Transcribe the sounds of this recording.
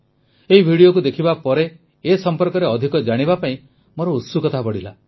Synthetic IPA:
eɦibʱiɽiokud̪ekʰibapɔɾeː | sɔmpɔɾkɔɾeɔd̪ʱikɔd͡ʒaɽ̃ibapaĩ | moɾɔusukɔt̪ʰabɔɽila

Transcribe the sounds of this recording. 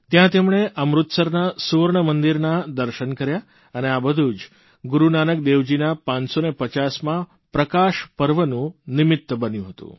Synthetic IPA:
t̪jãt̪emɳ̃eʔəmɾut̪səɾnasuʋəɾɳəmənd̪iɾnad̪əɾʃənkəɾja | əneabəd̪ʱud͡ʒ | ɡuɾunanək̚d̪eʋd͡ʒinapãɲsonepət͡ʃasmã | pɾəkaʃpəɾʋənũnɪmɪt̪ːbənjũɦət̪ṵ̃

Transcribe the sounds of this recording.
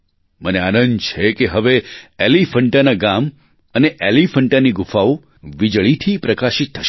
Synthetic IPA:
məneanə̃nt͡ʃʰekeɦəʋeelifəɳʈanaɡam | əneʔelifəɳʈaniɡufau | ʋid͡ʒɭit̪ʰipɾəkaʃit̪ʰːəʃ

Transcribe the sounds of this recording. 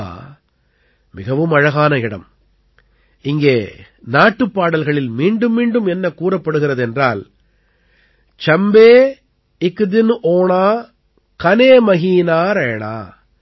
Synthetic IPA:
mɪɣɐʋɯmɐɻɐɣaːnɐɪɽɐ̰m | ɪŋɡeː | naːʈːɯpːaːɽɐlɣɐɭɪlmiːɳɖɯmːiːɳɖɯmɛnːɐkːuːrɐpːɐɽɯɣɪrɐðɛndraːl | t͡ʃɐmbeː | ɪkɯd̪ɪnʔoːɳaː | kɐneːmɐɣiːnaːɾeːɳa̰ː

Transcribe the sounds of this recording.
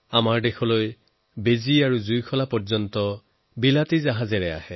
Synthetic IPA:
amaɹdexɔloj | beziaɹuzujkʰɔlapɔɹzɔntɔ | bilatizaɦazɛɹɛa̰hɛ

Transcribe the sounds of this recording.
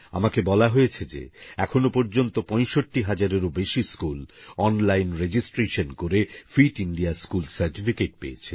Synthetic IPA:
a̰makebɔlaɦojet͡ɕʰed͡ʑḛɛkʰonopɔɾd͡ʑont̪opɔ̃jʃoʈːiɦad͡ʑaɾeɾobeʃiskulɔnlajnɾed͡ʑisʈɾeʃonkoɾefiʈiɳɖiaskulsaɾʈifikeʈ̚pḛjet͡ɕʰe

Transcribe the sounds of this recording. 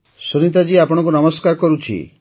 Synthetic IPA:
suɾĩt̪̬ad͡ʒiapɔɽ̃ɔ̃ŋk̬unɔmɔskaɾkɔɾut͡ʃʰḭ

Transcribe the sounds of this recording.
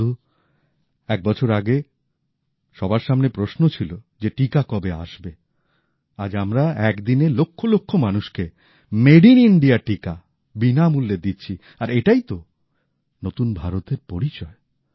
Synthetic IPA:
u | ɛk̚bɔt͡ɕʰoɾaɡe | ʃɔbaɾʃamnepɾoʃnot͡ɕʰilo | d͡ʑeʈikakɔbea̰ʃbe | ad͡ʑamɾaɛkd̪inelokʰːolokʰːomanuʃke | meɖiniɳɖiaʈika | binamulːed̪itːɕʰi | aɾeʈajt̪o | not̪unbʱaɾot̪eɾpoɾit͡ɕɔe

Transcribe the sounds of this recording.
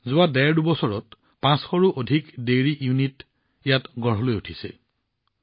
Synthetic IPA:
zʊwadɛɹdubɔsɔɹɔt | pãsxɔɹuʔodʱikdeɹijunit | ijatɡɔɹɦɔlojutʰisɛ̰

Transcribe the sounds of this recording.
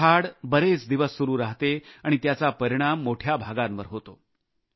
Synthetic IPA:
aɽbəɾet͡sd̪iʋəsːuɾuːɾaɦt̪eaɽ̃it̪jat͡sapəɾiɽ̃amːoʈʰjabʱaɡãmʋəɾɦot̪o

